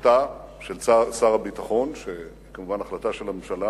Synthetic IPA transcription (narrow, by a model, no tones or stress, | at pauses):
taʃelasaʁabitaχo̞nʃeikamuvanaχlataʃe̞lamemʃala